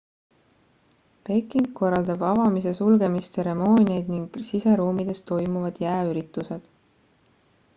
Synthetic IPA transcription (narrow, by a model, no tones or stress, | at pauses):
pe̞kːˑiŋko̞rːɑld̪̥ɑbɑvɑmise̞sulɡ̥e̞mist̪se̞ɾe̞mo̞ːnʲiejd̪̥niŋɡ̥sise̞ɾuːmid̪̥e̞st̪o̞jmuvɑd̪̥jæːyɾit̪ːˑuse̞d̪̥